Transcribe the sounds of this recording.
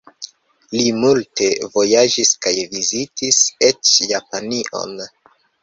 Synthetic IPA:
limulte̞vo̞jad͡ʒiskajvizitise̞t͡ʃjapaniʔo̞̰n

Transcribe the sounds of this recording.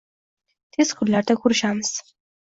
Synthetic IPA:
t̪ʰiskʰuɾlaɾt̪ʰɛkʰuɾʃams

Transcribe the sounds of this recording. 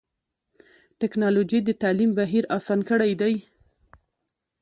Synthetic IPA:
ʈɪknɑlod͡ʒid̪ət̪alimbaɦiɾɑsɑnkəɽajd̪aj

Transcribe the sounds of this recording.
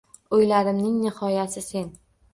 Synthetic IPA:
ojlaɾɪmnɪŋnɪhɒjasɪse̞n

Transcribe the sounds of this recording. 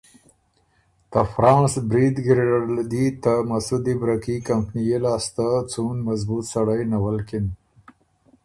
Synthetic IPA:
t̪afɾɑ̃ːnsbɾid̪ɡɾeɽald̪it̪amasud̪ibɾakikampnijelɑst̪at͡sunmazbut̪saɽajnawalkɪn

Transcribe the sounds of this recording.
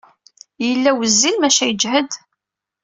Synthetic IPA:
jəlːæwəzːilmæʃæjəd͡ʒhəd̪

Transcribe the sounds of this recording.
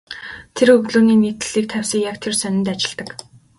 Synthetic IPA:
t̪ʰerɵɣɮuːniːnit̪̆ɮiːk̚t̪ʰæwʲsiːkjakt̪ʰersœnʲɪ̆nt̪at͡ɕɪ̆ɮt̪ə̆k

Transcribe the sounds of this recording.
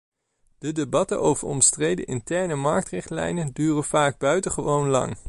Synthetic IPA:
d̥ədebɑtə̰nʔowvəɹɔ̰mstrejdə̰ʔɪ̰ntɛɹnəmɑɹk̚trɪχtlɛ̰jnəndyːrənv̥aːɡ̚bœɥtəχəʋownlɑ̰ŋ

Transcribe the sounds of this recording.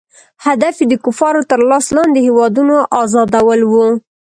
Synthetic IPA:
had̪afed̪əkʊfɑɾot̪əɾlɑslɑnd̪d̪ehewɑd̪unoʔɑzɑd̪awəlwu

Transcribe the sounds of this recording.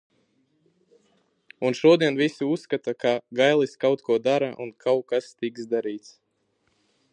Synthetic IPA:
unʃuɔd̪iɛnvisiusːkat̪akaɡajlˠiskawt̪kuɔd̪aɾa̰ʔṵnkʰawkast̪iksd̪aɾiːt̪s

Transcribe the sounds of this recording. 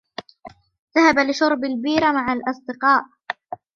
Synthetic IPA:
ðahabalɪʃʊɾˤbalbiːɾamaʕalʔɑsˤd̪ɪqɑːʔ

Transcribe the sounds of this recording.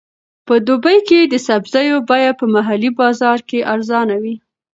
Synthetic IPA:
pəd̪obəjked̪əsabzɑjobɑjad̪̚pəmaɦalibɑzɑɾkeʔaɾzɑnawi

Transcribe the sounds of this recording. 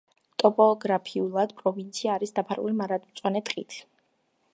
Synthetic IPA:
t̪ʼɔpʼɔːɡɾapʰiulˠad̪̥pʼɾɔvint̪sʰiaːɾisd̪apʰaɾṵlimaɾad̪mt̪sʼwanɛt̪ʼqʼḭt̪ʰ

